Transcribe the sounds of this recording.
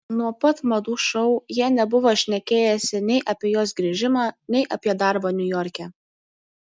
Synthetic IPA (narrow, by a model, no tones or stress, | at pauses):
nuɔpɐt̪mɐd̪uːʃɔʊjiɛnʲɛbʊʋoːʃʲnʲɛkʲeːjɛsʲɪnʲɛɪʔɐpʲiɛjoːs̬ɡɾʲiʒʲɪmɑːnʲɛɪʔɐpʲiɛd̪ɑˑɾboːnʲʊjɔɾʲkʲɛː